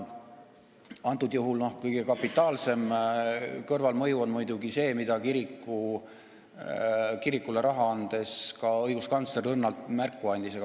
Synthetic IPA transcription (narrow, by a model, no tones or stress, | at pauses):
ɑnt̪ud̪̥juɦulnohkɤjɡ̥ekɑpːˑit̪ːˑɑːlse̞m | kɤrvɑlmɤjuonmujd̪̥uɡise̞ːmid̪̥ɑkiɾikːu | kiɾikːuleɾɑɦɑɑnd̪̥e̞skɑɤjɡ̥uskɑnt̪slerɤnːɑlt̪mærkːˑuɑnʲd̪iseɡɑ